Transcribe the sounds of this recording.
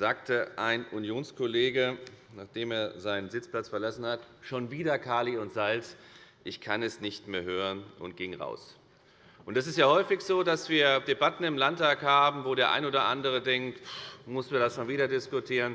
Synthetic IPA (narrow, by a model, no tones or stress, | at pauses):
z̥aːk̚tʰəʔaɪnunjoːnskʰoleːɡənaːχd̥eːmeːɐzaɪnənzɪt͡spl̥at͡sfɛɐlasn̩hatʃoːnviːdɐkʰaːliʊntz̥alsʔɪçkʰanɛsnɪçtmeːɐɦøːʁənʔʊ̰nt̚ɡ̥ɪŋʁa̰ʊs | ʔʊntɛs̬ɪstjaːhɔʏfɪçz̥oːdasv̥iːɐdebatn̩ɪmlantʰaːkhaːbm̩voːɾeːɐʔa̰ɪnʔoːdɐʔandəʁ̞ədɛŋktmʊsnviːɐdasʃoːnviːdɐdɪskʊtʰiːʁən